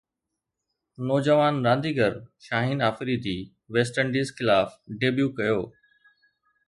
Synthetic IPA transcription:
nɔːd͡ʑəʋaːnɾãːnd̪iːɡəɾʃaːɦiːnaːfɾid̪iː | ʋeːsʈəɳɖiːzxɪlaːfɖeːbjuːkɐjoː

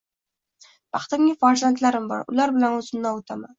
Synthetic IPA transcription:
b̥ɑχt̪ɪmʲɪfaɾsant̪ʰlaɾɪmbɒ̰ɾʊ̰laɾbɪlanʊzɪmnaʊt̪ʰaman

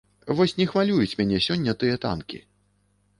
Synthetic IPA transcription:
vɔsʲnʲɛxvalʲujut͡sʲmʲanʲɛsʲɔnʲːɐt̪ɨjɐt̪a̰nkʲḭ

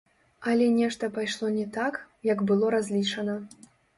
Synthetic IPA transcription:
ɐlʲɛnʲɛʂt̪ɐpajʂlˠɔnʲɛt̪ak | jɐɡbɨlˠɔɾazʲlʲit͡ʂɐnɐ

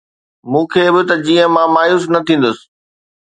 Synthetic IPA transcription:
mũːkʰeːbɪt̪ɐd͡ʑiːə̃mãmaːjuːsnɐt̪ʰĩːn̆d̪ʊsɪ̥̆

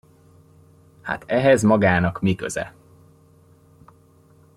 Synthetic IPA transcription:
ha̰t̪ɛɦɛzmɒɡaːnɒkmikøzɛ̰

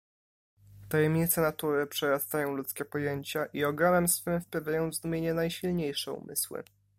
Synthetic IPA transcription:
t̪ajɛmɲit̪sɛnat̪uɾɘpʂɛɾast̪ajɔ̃w̃lut̪skʲɛpɔjeɲt͡ɕaʔiɔɡanɛmsfɘmfpavʲjajɔ̃w̃vzd̪umʲjeɲɛnajɕilɲejʂɛṵmɘ̰swɘ̰

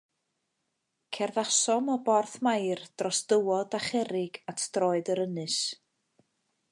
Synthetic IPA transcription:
kʰɛrðasɔmɔbɔrθmajrd̥rɔsd̥əwɔdaχɛɾɪɡatʰd̥rɔːɨdəɾənɨs

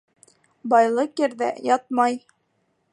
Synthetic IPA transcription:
bɒjlˠɤqjɘ̆ɾðæ̰jɒt̪̚mɑj

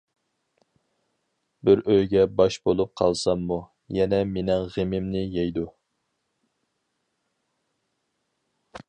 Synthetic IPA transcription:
bɪɾøjɡʲɛbɑʃbolˠup̚qʰɑlˠsɑmːu | jɛnɛmenɪŋʁemɪmnɪjɛjd̪u

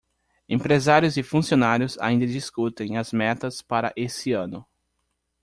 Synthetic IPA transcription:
ẽmpɾezaɾjʊzɪfũsionaɾjʊza̰ĩnd̪ɐd͡ʒiskut̪ẽj̃ɐzmɛt̪ɐspaɾɐ̰ʔesɪɐ̃nʊ

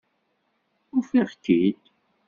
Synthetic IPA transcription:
ʊfiʁkːid̪

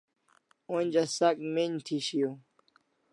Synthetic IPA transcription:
onʲd͡ʑɐsɐkmeɲt̪ʰiɕijo

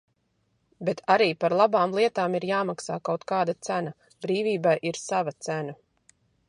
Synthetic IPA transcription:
bet̪ʰaɾiːpaɾlˠabaːmlˠiɛt̪aːmiɾjaːmaksaːkawt̪kaːd̪at̪sæna | bɾiːvʲiːbajʔiɾsavɐt̪sæna

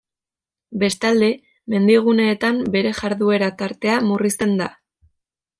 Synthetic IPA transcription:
be̞st̪ald̪e̞ | me̞nd̪iɣ̞une̞ːt̪ambe̞ɾe̞ʝaɾðue̞ɾat̪aɾt̪e̞amurist̪e̞nd̪a

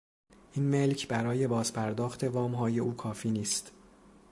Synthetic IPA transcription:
ʔiːnme̞lcʰbæɾɒːje̞bɒːz̥pʰæɾd̪ɒːxt̪ʰe̞vɒːmɦɒːje̞ʔuːkʰɒːfiːniːst̪

